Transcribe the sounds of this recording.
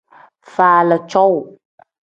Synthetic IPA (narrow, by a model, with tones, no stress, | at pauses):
fa˨lə˨t͡ʃɔ˦w